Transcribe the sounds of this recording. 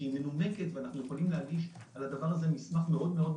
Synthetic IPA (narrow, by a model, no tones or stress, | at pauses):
imelune̞ke̞t̪veanaχnujeχolimleaɡiʃ | alad̪avaʁaze̞nismaχme̞ʔo̞d̪me̞o̞d̪